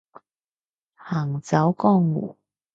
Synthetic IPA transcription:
haː˨˩ŋt͡sɐ˨˥wkɔː˥˧ŋwṵː˨˩

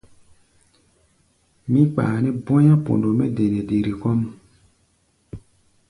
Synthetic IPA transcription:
mĩ˦k͡pa̰ː˨nɛ˦bɔ̃˦jã˦po̰˨ndo˨mɛ˦de˨ne˨de˨ɾi˨kɔ˦m

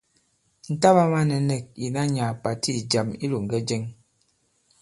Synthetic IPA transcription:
n̩˨ta˦βa˦ma˦nɛ˨nɛ˨k̚i˨na˦ɲa˨pa˨tʰi˦˨d͡ʒa˨mi˦lu˨ŋ̩˨ɡɛ˦d͡ʒɛ˦ŋ

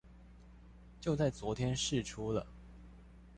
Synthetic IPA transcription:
t͡ɕjo˥˧ʊt͡sa˥˩ɪt͡swɔ˧˥t̪ʰjɛ˥nʂɻ̩˥˩ʈ͡ʂʰu˥lə̰˨

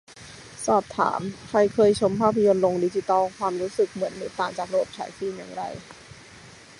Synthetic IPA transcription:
sɔː˨˩p̚t̪ʰa̰ː˩˦mkʰɾa˧jkʰɤː˧jt͡ɕʰo˧˥mpʰaː˥˩pʰːa˧jo˧nlo˧ŋdiː˧˩t͡ɕi˧˩t̪ɔː˥lkʰwaː˧mɾuː˦˥sɯ˨˩k̚mɯ˩˦ənːɯː˩˦t̪aː˨˩ŋt͡ɕaː˨˩k̚ɾa˧bo˨˩p̚t͡ɕʰa̰ː˩˦jfiː˧˩mja̰ː˨˩ŋɾa̰˧j

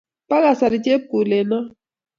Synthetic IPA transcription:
pa˦ka˨sa˨di˨t͡ʃe˦pu˨le˨na˦

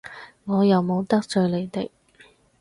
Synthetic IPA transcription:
ŋɔː˨˧jɐ˨wmo˨˧wt̪ɐ˥k̚t͡sɵ˧ɥle˨˧jt̪e˨k

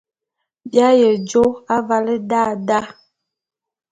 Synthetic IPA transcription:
bja˦jɛ˨d͡ʒo˦a˦va˦lə˦da˦˨da˦

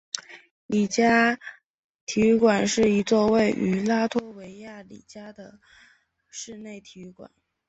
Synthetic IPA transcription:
li˨˩t͡ɕja˥ | t̪ʰi˧˥kwa˨˩nʂɻ̩˥˩i˧˥t͡swɔ˥˧we˥˩ɪʔy˧˥la˥t̪ʰwɔ˥we˧˥ɪja˥˩lḭ˨˩t͡ɕja˥d̪ə˨ | ʂɻ̩˥˧ne˥˩ɪt̪ʰi˧˥kwa̰˨˩˦n

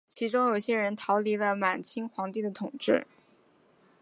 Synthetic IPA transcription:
t͡ɕʰi˧˥ʈ͡ʂʊ˥ŋjo˨˩ʊɕjɛ˥ɻə˧˥nt̪ʰɑ˧˥ʊli˧˥lə˧˩ma˨˩nt͡ɕʰi˥ŋxwɑ˧˥ŋt̪i˥˩d̪ə˩t̪ʰʊ˨˩ŋʈ͡ʂɻ̩˥˩

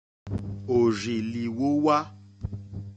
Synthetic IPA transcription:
o˨ʒi˨li˨wo˦wa˦

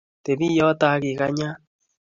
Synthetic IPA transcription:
te˨βi˦jo˦ta˦ɣi˨ɣa˦ɲa˦

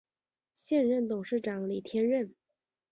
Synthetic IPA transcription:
ɕjɛ˥˧nɻə˥˩nt̪ʊ˨˩ŋʂɻ̩˥˩ʈ͡ʂɑ˨˥˦ŋli˨˩t̪ʰjɛ˥nɻə˥˩n

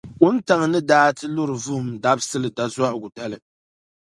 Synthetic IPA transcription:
kʊ˦n˦ta˨ŋ˨nɨ˦daː˦tɨ˦lʊ˦ɾɨ˨vʊ˦hmda˦bsɨ˦lɨ˨da˦zwa˦ʔɡʊ˨da˦lɨ˨

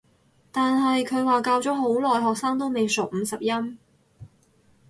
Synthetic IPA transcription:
t̪aː˨nɦɐ˨jkʰɵ˨˧ɥwaː˨˩kaː˧wt͡sɔː˨˥ɦo˨˥wlɔː˨jɦɔː˨k̚saː˥ŋt̪o˥wme˨jso˨k̚m̩ː˨˧sɐ˨p̚jɐ˥m

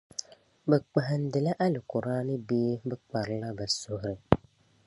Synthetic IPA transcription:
bɛ˨k͡pa˨ɦn̩˦dɪ˨la˦ʔa˦lɪ˨kʊ˨ɾa˦nɨ˦beː˦bɛ˦k͡pa˨ɾla˦bə˨so˨hɾɪ˨

